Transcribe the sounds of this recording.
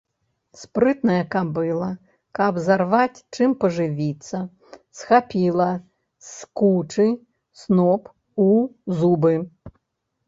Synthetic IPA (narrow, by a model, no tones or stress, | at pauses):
spɾɨt̪nɐjɐkabɨlˠɐ | kɐbzarʋat͡sʲt͡ʂɨmpɐʐɨʋʲit̪sːɐ | sxapʲilˠɐ | skut͡ʂɨ | snɔp | uzubɨ